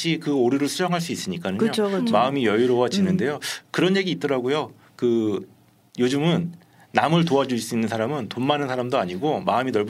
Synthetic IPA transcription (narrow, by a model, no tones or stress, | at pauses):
ɕʰikɯoɾiɾɯɭsʰud͡ʑʌŋɦaɭs͈uis͈ɯɲik͈anɯɲɯot͡ɕʰomaɯmijʌjiɾowad͡ʑinɯnde̞jokɯɾʌnje̞ɡiːt̚t͈ʌɾaɡojo | kɯ | jod͡ʑɯmɯnː | amɯɭtoad͡ʑus͈uinːɯnsʰaɾamɯntommanɯnsʰaɾamdoaɲiɡomaɯminʌɭb